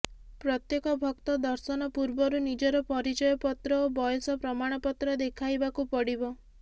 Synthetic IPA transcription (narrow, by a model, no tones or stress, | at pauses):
pɾɔt̪jekɔbʱɔkt̪ɔd̪ɔɾsɔnɔpuɾbɔɾunid͡ʒɔɾɔpɔɾid͡ʒɔjɔpɔt̪ɾɔobɔjɔsɔpɾɔmaɽ̃ɔpɔt̪ɾɔd̪ekʰajbakupɔɽibɔ